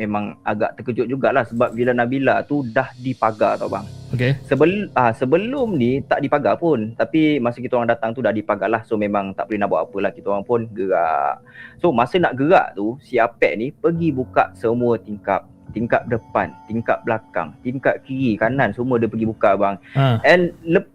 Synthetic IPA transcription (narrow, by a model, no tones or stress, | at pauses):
memãŋaɡa̰ʔt̪əkəd͡ʒʊt̪̚d͡ʒuɡaʔlahsəbap̚bilanaʔbilat̪udahdipaɡat̪awba̰ŋokesəbəlasəbəlʊmnit̪a̰ʔdipaɡapʊnt̪apimasəkit̪aoɾaŋdat̪aŋt̪udahdipaɡalahsomemãŋt̪a̰ʔpəluhnaʔbaʔapəlahkit̪oɾaŋpʊnɡəɾa̰ʔsomasənaʔɡəɾa̰ʔt̪usiapɛ̰ʔnipəɡibuka̰ʔsəmuət̪iŋkap̚ | t̪iŋkap̚dəpa̰nt̪iŋkaʔ̚blaka̰ŋt̪iŋkaʔ̪̚kiɾikanansəmuədəpəɡibukaʔbaŋɛnlə